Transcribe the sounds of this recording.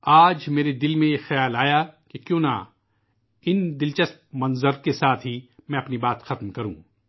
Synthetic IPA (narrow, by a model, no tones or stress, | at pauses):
aːd͡ʒmeːɾed̪ɪlmẽjexɐjaːlaːjakekjõːna̰ | ɪnd̪ɪlt͡ʃɐspmɐ̃nzəɾkesaːt̪ʰɦimɛ̃ɐpnibaːt̪xɐt̪mkɐɾṵ̃ː